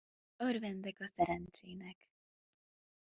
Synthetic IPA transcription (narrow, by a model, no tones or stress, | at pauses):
ørvɛnd̪ɛkɒsɛɾɛnt͡ʃeːnɛk